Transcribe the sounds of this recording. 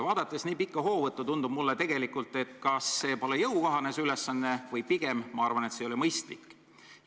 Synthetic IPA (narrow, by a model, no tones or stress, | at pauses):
vɑːd̪̥ɑt̪ːˑesniːpikˑːɑɦo̞ːvɤt̪ːˑut̪und̪̥ub̥̚mulːet̪e̞ɡ̥e̞likːˑult̪ːˑe̞t̪kɑsːe̞ːpo̞lejɤwkɑɦɑne̞syle̞sːɑnːe̞vɤjpiɡ̥e̞mmɑɑrvɑne̞t̪seo̞limɤjst̪likː